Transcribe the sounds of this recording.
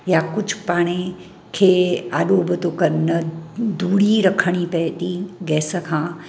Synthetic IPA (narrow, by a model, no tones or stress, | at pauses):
jakʊd͡ʒʱpaːɽ̃e | kʰeːaːɗoːbʱət̪okɐɾnəd̪uːɽiɾɐkʰəɽ̃ipɛt̪iɡɛːsəkʰãː